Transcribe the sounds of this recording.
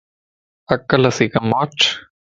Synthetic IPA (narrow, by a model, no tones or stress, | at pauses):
ɐkːɐlɐsikɐmaːt͡ʃ